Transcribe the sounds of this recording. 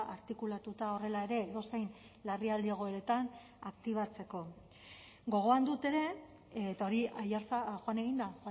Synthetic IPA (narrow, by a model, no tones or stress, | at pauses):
ʔaɾt̪ikulat̪ut̪ao̞re̞lae̞ɾe̞ːðo̞sejn | lariald̪ieɣ̞o̞eɾe̞t̪an | akt̪iβ̞at͡se̞ko̞ | ɡo̞ɣ̞o̞and̪ut̪e̞ɾe̞ | t̪ao̞ɾiajaɾt͡saʝoane̞ɣ̞ind̪axa